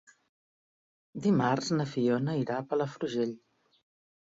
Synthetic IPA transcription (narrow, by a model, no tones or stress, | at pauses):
d̪imarznəfionəiɾapələfɾuʒeʎ